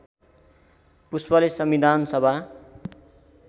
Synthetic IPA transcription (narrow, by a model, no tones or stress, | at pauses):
puspʌlesʌmid̪ʱansʌbʱa